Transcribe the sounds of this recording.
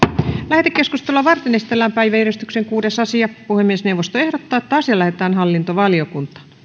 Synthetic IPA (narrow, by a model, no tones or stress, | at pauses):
læhet̪ekːeskust̪elːɑʋɑrt̪enesi̥t̪elːæmpæiʋæyɾist̪y̥kseŋkuːdesɑsiɑpuhemːiesneuwʋːost̪oehdot̪ːɑːet̪ːɑsjɑlæhet̪æːnhɑlːint̪oʋɑliokunt̪ɑ̥